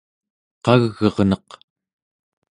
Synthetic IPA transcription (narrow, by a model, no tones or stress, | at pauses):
qɑɣːʌʁnʌq